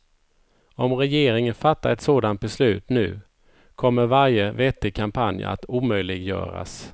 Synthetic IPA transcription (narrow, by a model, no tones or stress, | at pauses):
ɔmɾɛjeːɾɪŋənfat̪ːaɾɛt̪soːd̪ant̪̚bɛslʉ̟ːt̪nʉ̟ː | kʰɔmːəɾvaɾjəvɛːt̪ːɪkʰampʰanja̰t̪uːmœjlɪɡjœ̰ːɾa̰s